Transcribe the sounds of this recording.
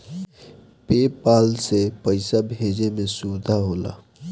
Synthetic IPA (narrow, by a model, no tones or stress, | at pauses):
peːpaːlsepəɪsabʱeːd͡ʒemẽsuːd̪ʱaɦoːla̰ː